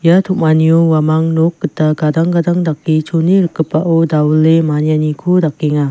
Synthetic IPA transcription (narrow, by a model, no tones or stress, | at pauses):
jatʰuk̚maniowamaŋnokːɯtːaɡadaŋɡadaŋdakːit͡ʃʰoniɾɯkːɯpːaʔodawulemanijanikʰudakːeŋa